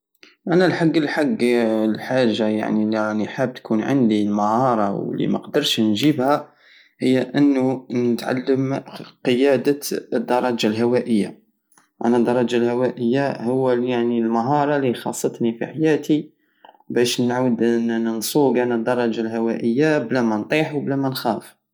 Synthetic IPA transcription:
ʔænælħaɡːəlħaɡːlħaʒːaja̰ʕniliniħab̚t̪kʰunʕə̰nd̪ilməhɑɾˤɑwlḭmæ̰qd̪əɾˤʃnʒibhæ | həjːæʔənːunət̪ʕa̰lːəmqəjæd̪əəd̪ːɑɾˤɑd͡ʒalɦæwæʔəjːa̰ | ʔæ̰næd̪ːɑɾˤɑd͡ʒalhæwæʔəjːahʊwːæljaʕnilməɦɑɾˤɑlixɑ̰sˤːət̪nifḭħajæt̪i | bæʃnʕuəd̪nnənsˤuɡænæd̪ːɑɾˤːɑd͡ʒalhæwæʔəjːablæmænt̪ˤiħwblæmænxæf

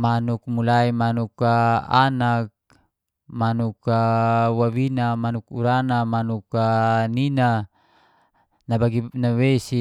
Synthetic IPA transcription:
manuk̚mulaimanukaanak̚ | manukawawinamanukuɾanamanukanina | nabaɡinawesi

